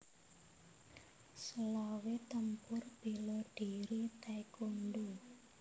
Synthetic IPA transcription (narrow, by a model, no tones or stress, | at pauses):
səlawet̪əmpʊrb̥iloɖ̥iɾit̪ajkonɖu